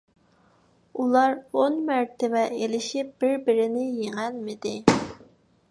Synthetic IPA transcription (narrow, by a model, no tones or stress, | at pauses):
ulˠɑɾonmæɾt̪ʰɪvɛʔelɪʃip̚b̥ɪɾbɪɾɪnɪjeŋælmɪd̪ɪ